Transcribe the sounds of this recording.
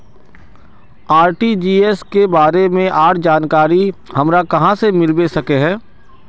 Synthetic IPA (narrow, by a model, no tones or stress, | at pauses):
aːɾʈid͡ʒiːeskebaːɾemẽʔaːʈd͡ʒaːnkaːɾihɐmɾakɐɦãsemɪɾbesɐkeɦɛ̃ː